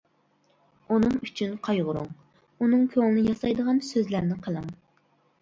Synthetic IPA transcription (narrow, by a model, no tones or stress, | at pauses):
unɨŋyt͡ʃʰynqʰɑjʁʊɾuŋ | unɨŋkʲʰøŋlˠɨnɨjɑsɑjd̪əʁɑnsøzlæɾnɪqʰəlˠɨŋ